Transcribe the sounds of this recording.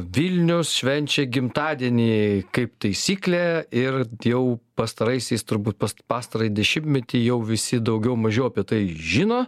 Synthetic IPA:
ʋʲilʲnʲʊsʃʲʋʲɛnʲt͡ʃʲɛɡʲɪmt̪ɑːd̪ʲiɛnʲiːkɐɪpt̪ɐɪsʲiːklʲæɪrjɛʊpɐst̪ɐɾɐɪsʲɛɪst̪ʊɾbuːt̪̚pɐspɑːst̪ɐɾɐɪd̪ʲɛʃʲɪmʲtʲmʲɛt̪ʲijɛʊʋʲɪsʲɪd̪ɐʊɡʲɛʊmɐʒʲeːɐpʲiɛt̪ɐɪʒʲɪnoː

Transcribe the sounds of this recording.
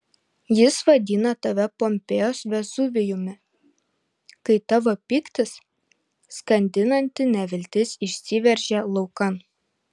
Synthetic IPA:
jɪsʋɐd̪ʲinɐt̪ɐʋʲɛpɔmʲpʲeːjoːsʋʲɛzʊʋʲɪjʊmʲɪ | kɐɪt̪ɑʋopʲiːkt̪ʲɪs | skɐnʲd̪ʲɪnɐnʲt̪ʲɪnʲɛʋʲɪlʲt̪ʲɪsɪʃʲsʲiːʋʲɛɾʲʒʲɛlˠɒʊkɐn

